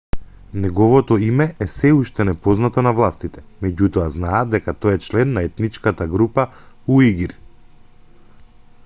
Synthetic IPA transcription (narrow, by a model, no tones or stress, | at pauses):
nɛɡɔvɔt̪ɔimɛɛsɛuʃt̪ɛnɛpɔznat̪ɔnavlˠast̪it̪ɛ̥mɛɟut̪ɔaznaːd̪d̪ɛkat̪ɔjɛt͡ʃlɛnːaɛt̪nit͡ʃkat̪aɡɾupa | uiɡiɾ